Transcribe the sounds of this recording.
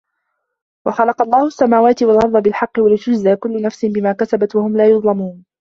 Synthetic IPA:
wɑxɑlɑqɑlˤːɑːhʊsːamaːwaːt̪ɪwɑlɣɑðˤːɑbɪlħɑqːɪwalɪt̪ʊd͡ʒzaːkʊlːʊnafsɪnbɪmaːkasabat̪wahʊmlaːjʊðˤlɑmuːn

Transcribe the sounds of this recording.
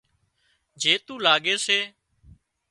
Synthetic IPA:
d͡ʒeːt̪uːlaːɡeːseː

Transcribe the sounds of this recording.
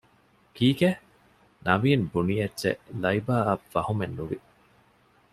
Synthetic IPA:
kiːke | nʔɐʋiːnbunijɐtːḛlɐibaːɐfːɐhumenːuʋi

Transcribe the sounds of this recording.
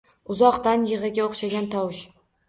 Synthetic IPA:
ʊzɒqt̪anjɨʁɨɡʲaoχʃaɡʲant̪ʰɒwɪʃ

